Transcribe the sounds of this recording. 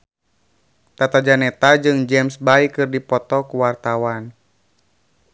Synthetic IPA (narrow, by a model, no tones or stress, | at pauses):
t̪at̪ad͡ʒanɛt̪ad͡ʒɨŋd͡ʒɛmsbaikɨrdipɔt̪ɔkuwart̪awan